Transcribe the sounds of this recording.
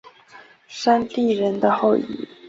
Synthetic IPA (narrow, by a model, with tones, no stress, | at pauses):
ʂa˥nt̪i˥˩ɻə˧˦nd̪ə˧xo˥˨ʊḭ˨˦